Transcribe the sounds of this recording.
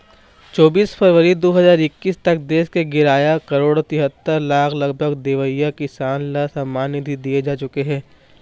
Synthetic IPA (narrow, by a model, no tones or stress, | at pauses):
t͡ʃɔːbiːsfʰəɾʋəɾid̪oːɦɐzaːɾɪkːiːst̪ɐk̚d̪eːskeɡɪɾaːjakɐɾoːɽt̪ɪɦət̪ːəɾlaːklɐɡbʱəɡd̪eːʋəɪjakɪsaːnlasɐmːaːnɪt̪id̪ied͡ʒaːt͡ʃʊkeɦɛ̃ː